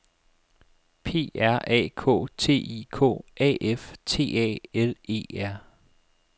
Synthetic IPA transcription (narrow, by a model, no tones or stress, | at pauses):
pʰe̝̰ːæɐ̰ʔɛ̰ːkʰo̝̰ːt͡sʰe̝̰ːiːkʰo̰ːʔɛ̰ːʔeft͡sʰe̝̰ːɛ̰ːele̝̰ːæɐ̰